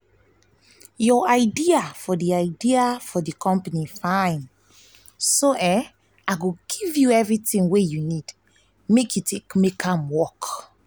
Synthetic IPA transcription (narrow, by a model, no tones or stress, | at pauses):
jɔaɪdiafɔdiaɪdiafɔdikʰɔ̃mpanifãjn | soʔɛ̃ | aɡoɡ̥ivjuɛvɹitĩŋwejunid̥ | mekʰjutekmekʰãmwɔk